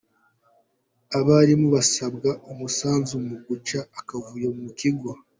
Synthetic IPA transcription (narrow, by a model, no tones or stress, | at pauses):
aβaːɾimuβasabɡaomusaːnzumumuɡut͡ʃaːkavujemumukiɡwa